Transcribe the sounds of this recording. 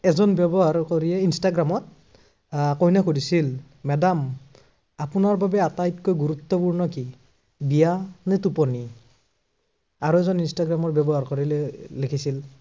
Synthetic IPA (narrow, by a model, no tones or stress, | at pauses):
ɛzɔnbjɛbɔɦaɹkoɹiɛinstaɡɹamɔt̚ | kɔɦinakodisil | mɛdam | apunaɹbabɛatajtkojɡuɹut̪ːɔpuɹnɔki | bijanɛtupɔni | aɹuɛzɔninstaɡɹamɔtbɛbɔɦaɹkɔɹilɛlekʰisil